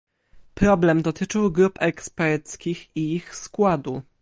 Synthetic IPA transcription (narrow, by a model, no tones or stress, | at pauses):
pɾɔblɛmd̪ɔt̪ɘt͡ʂɘwɡɾupɛkspɛɾt̪skʲixiixskwad̪u